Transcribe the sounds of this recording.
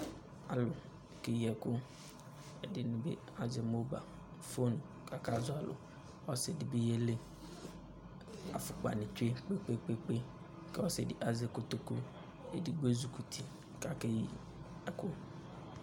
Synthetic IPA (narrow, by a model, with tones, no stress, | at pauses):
a̰˨lʊ˨ | ke˦ji˦ɛ˨kʊ˦ | e˨dɪ˨nʊ̃˨bḛ˦ | a˨d͡ʒɛ˨mo˦ba̰˨ | fo˦nũ˨ | ka˨ka˦zʊ˦a˨lʊ̰˨ | ɔ˦se˨dɪ˨be˦je˦le˦ | a̰˨fʊ˨k͡pa̰˨nɪ̃˨t͡ʃe˦k͡pe˦k͡pe˦k͡pe˦k͡pe˦ | kɛ˦wɔ˦se˨dɪ˦ʔa˨ze˦kʊ˦t̪o˦ku˦ | e˦dɪ˦ɡ͡be˦zu˨ku˨t̪ʰi˨ | ka˦ke˦ji˦ | ɛ˨kʊ˦